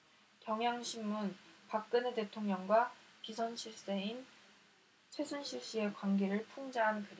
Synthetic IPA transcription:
kjʌŋjaŋɕʰimːunpak̚k͈ɯnete̞tʰoŋɲʌŋɡwapisʰʌnɕʰiɭs͈e̞in | t͡ɕʰwe̞sʰunɕʰiɭɕ͈ie̞kwanɡe̞ɾɯɭpʰuŋd͡ʑaɦankɯɾe

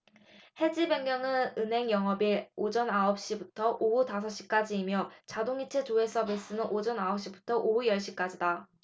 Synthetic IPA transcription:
he̞d͡ʑibe̞ŋmjʌŋɯnɯnɦe̞ŋjʌŋɦʌbiɾod͡ʑʌnaʌp̚ɕ͈ibutʰʌʔoutasʰʌɕ͈i̥k͈ad͡ʑiːmjʌt͡ɕadoŋit͡ɕʰet͡ɕoe̞s͈ʰʌbes͈ɯnɯnʔod͡ʑʌnaʌp̚ɕ͈ibutʰʌʔoɦujʌɭɕ͈ik͈ad͡ʑida

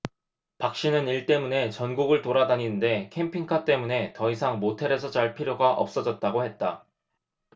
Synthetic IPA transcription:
pak̚ɕ͈inɯniɭt͈e̞mune̞t͡ɕʌnɡuɡɯɭtoɾadaɲinɯnde̞kʰe̞mpʰiŋkʰat͈e̞mune̞tʌisʰaŋmotʰeɾe̞sʰʌt͡ɕaɭpʰiɾjoɡaʔʌ̰p̚s͈ʌd͡ʑʌt̚t͈aɡohe̞t̚t͈a

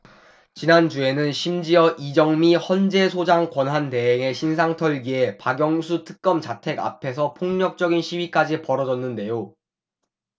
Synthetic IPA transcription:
t͡ɕinand͡ʑue̞nɯnɕʰimd͡ʑiʌʔid͡ʑʌŋmihʌnd͡ʑe̞sʰod͡ʑaŋkwʌnɦante̞ɦeŋe̞ɕʰinsʰaŋtʰʌɭɡie̞paɡjʌŋsʰutʰɯ̥k̚k͈ʌmt͡ɕatʰe̞ɡa̰pʰe̞sʰʌpʰoŋɲʌk̚t͡ɕ͈ʌɡinɕʰiɥik͈ad͡ʑipʌɾʌd͡ʑʌnːɯnde̞jo

